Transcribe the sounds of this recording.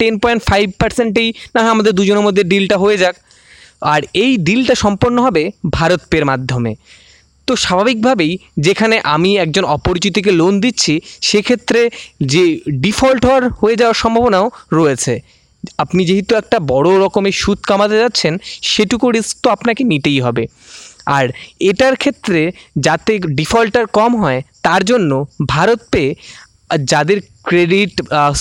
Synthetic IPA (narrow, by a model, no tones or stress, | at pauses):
ʈenpɔjɳʈfajb̚ʱpaɾseɳʈejnaɦaamad̪eɾd̪ud͡ʑoneɾmod̪ʱːeɾɖilʈaɦoed͡ʑak̚ | aɾejɖilʈaʃɔmpoɾnːoɦɔbebʱaɾot̪peɾmad̪ʱːomḛ | t̪oʃabʱabik̚bʱabejd͡ʑekʰaneʔamiɛk̚d͡ʑonɔpoɾit͡ɕit̪̬ik̬elond̪itːɕʰiʃekʰet̪ːɾed͡ʑeɖifɔlʈɦɔaɾɦoed͡ʑaoaɾʃɔmbʱabonaoɾɔet͡ɕʰe | apnid͡ʑeɦit̪uɛk̚ʈabɔɽoɾɔkomeʃut̪̚kamat̪ed͡ʑatːɕʰenʃeʈukuɾisk̚t̪oapnakenit̪ejɦɔbe | aɾeʈaɾkʰet̪ːɾed͡ʑat̪eɖifalʈaɾkɔmɦɔet̪aɾd͡ʑonːobʱaɾot̪̚pe | d͡ʑad̪eɾ | kɾeɖiʈ